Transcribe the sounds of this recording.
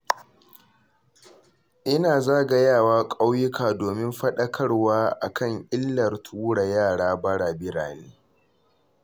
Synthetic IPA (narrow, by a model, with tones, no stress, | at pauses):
ʔɪ˦naː˨zaː˦ɡɐ˦jaː˦˨waː˦kʼa˦wjɪ˦kʰaː˨doː˨mɪ˦mɸɐ˦ɗɐ˦kʰɐ˦rwaː˦ʔa˨kɐ˦˨ŋʔɪ˦lːɐ˨rtʰuː˦ɽa˨jaː˦˨ɽaː˦bɐ˦ɽaː˨bɪ˦ɽa̰ː˨neː˦